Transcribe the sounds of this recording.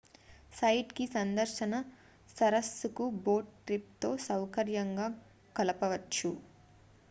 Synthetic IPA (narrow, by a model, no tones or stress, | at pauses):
sɐjʈkisɐnd̪ɐɾʃɐnɐ | sɐɾɐsːukuboːʈʈɾip̚t̪o̞ːsɐwkɐɾjɐŋɡaː | kɐlɐpɐʋɐt͡ʃːu